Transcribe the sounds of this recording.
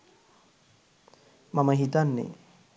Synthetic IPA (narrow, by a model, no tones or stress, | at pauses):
maməɦit̪anːḛ